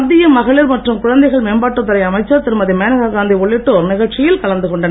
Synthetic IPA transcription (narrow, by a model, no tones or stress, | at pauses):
d̪ːɪjɐmːɐɣɐɭɪɾmɐʈrɯmkʊɻɐnd̪ɐɪɣɐɭmeːnbaːʈːɯt̪ːɐɾɐɪɐmɐɪt͡ʃːɐɾt̪ɪɾɯmɐðimeːnɐɣaɡaːnd̪iɔɭːɪʈːoːɾnɪɣɐʈt͡ʃɪjɪlkɐɭɐnd̪ɯkɔɳɖɐn